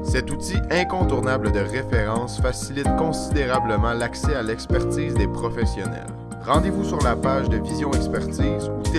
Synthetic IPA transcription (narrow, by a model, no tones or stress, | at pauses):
sɛt̪ut̪iɛ̃kɔ̃t̪uʁnabləd̪əʁefeʁɑ̃ːsfasilɪt̪̚kɔ̃sid̪eʁabləmɑ̃laksɛalɛkspɛʁt̪iːzd̪epχɔfɛsjɔnɛ̰l | ʁɑ̃d̪evusyʁlapaːʒd̪əvizjɔ̃ɛkspɛʁt̪iːzut̪